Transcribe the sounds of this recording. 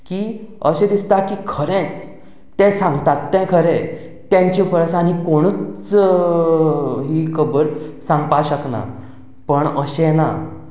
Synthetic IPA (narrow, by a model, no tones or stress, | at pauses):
kiːəɕẽd̪ist̪akiːkʰəɾẽt͡s | t̪ɛ̃sãŋɡt̪at̪ːɛ̃kʰəɾẽ | t̪jãɲt͡ɕĩpəɾsãnikoɽ̃əːt͡s | ɦikʰəbəɾsãŋɡpaɕəkna̰ | pəɳəɕena